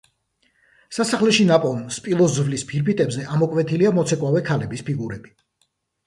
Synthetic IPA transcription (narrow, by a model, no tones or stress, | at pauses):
sasaχlɛʃinapʼɔlnspʼilˠɔszvlispʰiɾbit̪ʼɛbzɛʔamɔkʼwɛt̪ʰiliamɔt̪sʰɛkʼwavɛkʰalɛbispiɡuɾɛbi̥